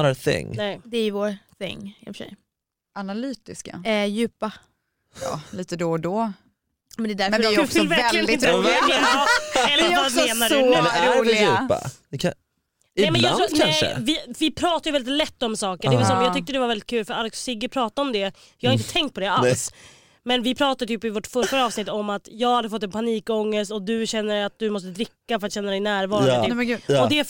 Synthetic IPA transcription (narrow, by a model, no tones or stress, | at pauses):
θɪ̰ŋnɛɪd̪ɛæjvoːɾθɪ̰ŋːɪfəʂɛ̰j | ʔanalyːt̪ɪska̰jʉ̟ːpa | ɑ̰ːliːt̪əd̪od̪ɔ | mɛnd̪ɛd̪æɾmɛəɪɔkslvæɾɛld̪ɪnɾkl | ɛlːɾvameːnadʉdɛjʉːpa̰d̪ɛkʰa | ɪɛmɛnjɑak̪ʰanʂə̰vɪvɪpʰɾɑːt̪ajʏvɛlɪt̪lɛt̪ːɔmsɑːkəɖɛɛlsɔmjɑt̪ʏkt̪əd̪ɛvaɾvɛlːɪt̪̚kʰʉ̟ːlfœɾalɛkssɪɡəpʰɾɑːt̪aɔmd̪ɛ | jɑːhaɾɪnt̪ət̪ʰɛŋkt̪̚pʰɔd̪ɛas | mɛnvɪpʰɾɑːt̪ad̪ət̪ʰyːpɪvɔʈfœɾfaɾəɑːvsnɪt̪ːɔmːat̪jɑːɡhad̪ːəfɔt̪ːɛnpʰaniːkɔŋːəst̪ɔd̪ɵɕɛnːəat̪̚d̪ɵmɔst̪əd̪ɾɪkːafœɾat̪ɕɛnːad̪ɛɪjnæːɾvɑːɾɪɔd̪ɛ